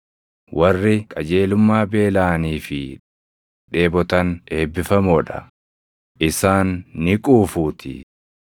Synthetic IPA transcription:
wʔɐrːɪkʼɐd͡ʒe̞ːlʊmːaːbe̞ːlaːniːfɪ | ᶑe̞ːbɔt̪ɐne̞ːbːɪfɐmɔᶑɐ̰ | ʔɪsaːnːɪkʼuːfuːt̪ʰɪ̰

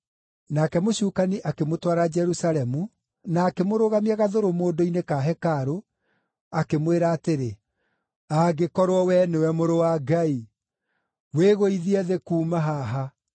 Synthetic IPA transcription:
nakɛmoɕuːkaniʔakemotwaɾad͡ʒɛɾusalɛmu | naːkemoɾoɣamiaɣaðoɾomoːndoinekaɦɛkaɾo | akemweɾaːteɾe | aɡekɔɾwɔwɛnewɛmoɾowaɡai | weɣoiðiɛðekuːmaɦaɦa

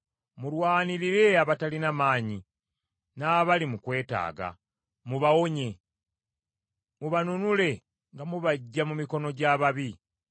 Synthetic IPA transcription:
mulwaːniɾiɾe̞aβatalinamaːɲi | naːβalimukwe̞ːta̰ːɡa̰ | muβawo̞ɲe̞ | muβanunule̞ | ŋɡamuβaɟːamumiko̞no̞ɟaːβaβi

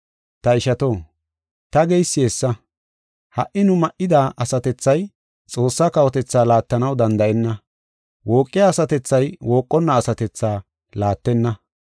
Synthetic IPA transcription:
t̪ɐɪʃɐt̪o̞ː | t̪ɐɡejsːɪesːɐ | hɐ̰ʔɪnʊmɐʔɪd̪aːʔɐsɐt̪ɛt͡sːɐj | t͡sʼo̞ːsːaːkɐwɔt̪ɛt͡sːaːlaːt̪ːɐnɐwd̪ɐnd̪ɐʔɛnːɐ | wo̞ːkʼːɪjaːsɐt̪ɛt͡sːɐjwo̞ːkʼːɔnːɐːsɐt̪ɛt͡sːaː | laːt̪ːɛnːɐ

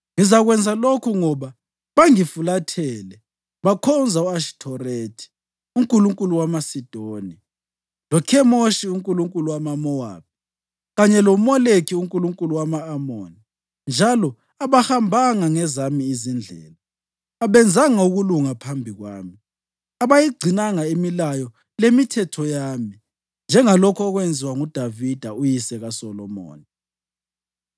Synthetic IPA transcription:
ŋizaɣwɛnd͡zʱalokʰuŋɔβa | βaŋifulatʰɛlɛ | βakʰɔnd͡zʱauaʃi̥tʰɔretʰi̥ | uŋkʼuluŋkʼuluwamasid̥ʱoːni | lɔkʰɛmoʃiuŋkʼuluŋkʼuluwamamɔwa̰ːp̚ʰi | ɣaɲɛlomɔlekʰiuŋkʼuluŋkʼuluwamaːmo̰ːni | nd͡ʒʱalɔ | aβahambʱaŋaŋɛzamiːzind͡ɮʱɛ̰ːlaː | βɛnd͡zʱaŋauɣuluŋapʰambʱiɣwa̰ːmi | aβajiɡ͡ǀʱinaŋaimilajɔ | lemitʰɛtʰɔjaːmi | nd͡ʒʱɛŋalɔkʰɔɔɣwɛnd͡zʱiwaŋud̥ʱavid̥ʱaujisɛɣasɔlɔmo̰ːni

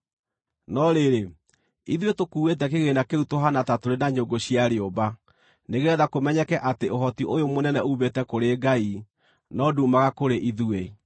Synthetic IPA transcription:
nɔɾeɾe | iðuetokuːwet̬ɛkeɣenakeɾutoɦanatatoɾenaɲoɡoɕiaɾeoba | neɣeɾɛðakomɛɲɛkɛʔateoɦɔtiojomonɛnɛuːβetɛkoɾeɡai | nɔduːmaɣakoɾeʔiðue

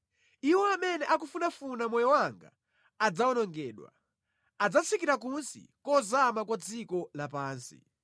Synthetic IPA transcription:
iwɔamɛnɛʔak̬ufunafunamwɔjɔwaŋɡa̰ | ad͡zaɔnɔŋɡɛːɗwa̰ | ad͡zat͡sʰikiɾakunsḭkɔzamakwad͡zikɔlapaːnsḭ

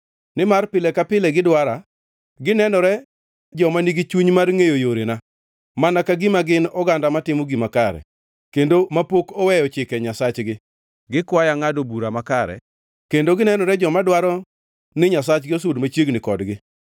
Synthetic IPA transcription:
nɪmarpɪlɛkapɪlɛɡɪdwaɾa | ɡɪnɛnɔɾɛ | d͡ʒɔmaniɡit͡ʃuɲmarŋejojoɾena | manakaɡimaɡɪnɔɡandamatɪmɔɡimakaɾɛ̰ | kendomapokɔwɛjɔt͡ʃɪkɛɲasat͡ʃɡɪ | ɡɪkwajaŋadobuɾamakaɾɛ̰ | kendoɡɪnɛnɔɾɛd͡ʒɔmadwaɾɔ | nɪɲasat͡ʃɡɪos̬ʊdmat͡ʃjeɡnɪkɔdɡɪ

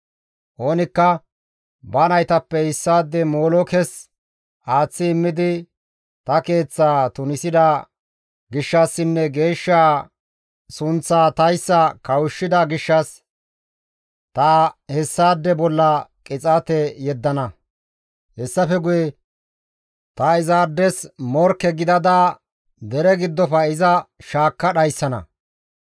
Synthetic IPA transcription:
ʔo̞ːnɪkːɐ | bɐnɐjt̪ɐpːɛhɪsːaːd̪ːɛmo̞ːlɔkɛs | ʔaːt͡sːɪːmːɪd̪ɪ | t̪ɐke̞ːt͡sːaːt̪ʊnɪsɪd̪a | ɡɪʃːɐsːɪnːɛɡe̞ːʃːaː | sʊnt͡sːaːt̪ɐjsːɐkɐwʊʃːɪd̪ɐɡɪʃːɐs | t̪ɐhɛsːaːd̪ːɛbɔlːɐkʼɪt͡sʼɐt̪ɛjɛd̪ːɐnɐ | hɛsːɐfɛɡʊjɛ | t̪ɐɪzaːd̪ːɛsmɔɾkːɛɡɪd̪ɐd̪a | d̪ɛɾɛɡɪd̪ːɔfɐɪzɐʃaːkːɐɗɐjsːɐnɐ̰

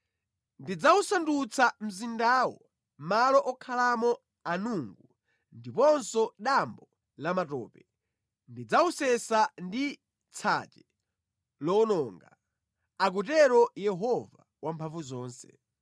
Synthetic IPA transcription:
ndid͡zausandut͡sʰam̩zindaːwɔ̰ | malɔʔɔkʰalamɔ | anuŋɡu | ndipɔnsɔɗambɔ | lamatɔ̰ːpɛ | ndid͡zausɛsandi | t͡sʰa̰t͡ʃɛ | lɔnɔːŋɡa̰ | ak̬utɛɾɔjɛɦɔva | wʔampʰaɱvuzɔːnsɛ̰

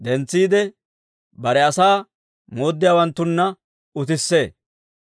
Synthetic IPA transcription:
d̪ɛnt͡sːiːd̪ɛ | bɐɾɛɐsaː | mo̞ːd̪ːɪjaːwɐnt̪ːʊnːɐ | ʊt̪ɪsːe̞ː

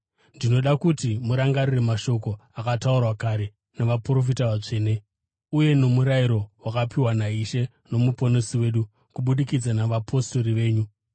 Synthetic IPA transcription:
ndino̞ɗakutimuɾaŋɡarire̞maʃo̞ko̞akataurwakaɾe̞ | naʋapuro̞f̬itaʋat͡ʂe̞ːne̞ | uje̞no̞muɾaiɾo̞wakapiwanaiʃe̞ | no̞mupo̞nosiwe̞ːɗu | kuɓuɗikid͡zanaʋapʰo̞sto̞ɾiʋe̞ːɲu

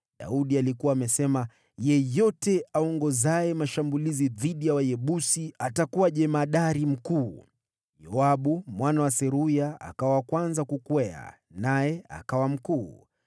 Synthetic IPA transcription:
ɗa̰uɗialikuwaːmɛsɛma | jɛjɔtɛʔaɔŋɡɔzaɛmaʃambuliziðiɗijawajɛɓusiatakuwaʄɛmaɗaɾim̩kuː | jɔaɓumwanawasɛɾujaa̰kawawakwanzakukwɛa̰ | najɛa̰kawam̩kuː

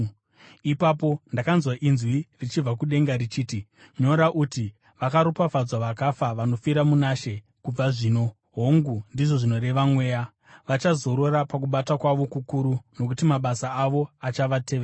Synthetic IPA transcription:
ipapo̞ndakanzwaʔinzwirit͡ʃib͡vakuɗe̞ŋɡaɾit͡ʃiːti | ɲo̞ɾaʔuti | ʋakaɾopafad͡zwaʋakafaʋano̞fiɾamunaʃe̞ | kub͡vaʐiːno̞ | ɦoŋɡundiʐo̞ʐino̞ɾe̞ʋamwe̞ːja | ʋat͡ʃazo̞ɾo̞ɾapak̬uɓatakwaʋo̞kukuɾuno̞kutimaɓasaːʋo̞at͡ʃaʋate̞ːʋea

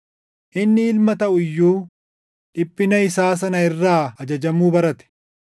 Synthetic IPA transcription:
ʔɪnːɪːlmɐt̪ɐʔʊɪjːuː | ᶑɪpːɪnɐɪsaːs̬ɐnɐɪrːaːɐd͡ʒɐd͡ʒɐmuːbɐɾɐt̪ɛ̥

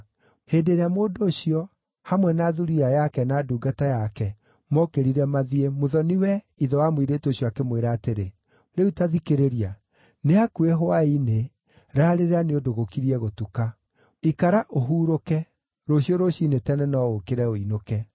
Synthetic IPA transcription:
heːdeɾeamoːdoːɕiɔ | hamwɛnaːðuɾiajakɛnaduːɡatajakɛ | mɔkeɾiɾɛmaðiemoðɔniwɛ | iðɔwamwiɾetoɕijɔakemweɾaːteɾe | ɾeutaðikeɾeɾia | neakueɦoaine | ɾaːɾeɾeaneodoɣokiɾiɛɣotuka | ikaɾaʔoɦuːɾokɛ | ɾoɕiɔɾoɕinetɛnɛnɔokeɾɛoinokɛ

